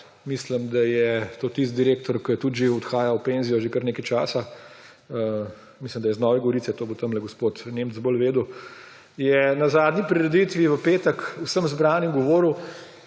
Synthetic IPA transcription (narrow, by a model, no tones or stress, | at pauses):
misləmd̪ajɛt̪oːt̪ist̪̚d̪iɾeːk̚t̪ɔɾkət̪ud̪ʒeɔt̪xaːjawpeːnzijɔʒekəɾneːkɐjt͡ʃaːsa | ə | misləmd̪ajɛznɔːʋɛɡɔʋoɾiːt̪sɛt̪oːbot̪ɐmlɛɡospoːt̪neːmzbəlʋeːd̪u | jɛnɐzaːd̪nipɾiɾɛd̪it̪ʋiʋəpeːt̪əkwsəmzbɾaːnimɡɔʋoːɾuw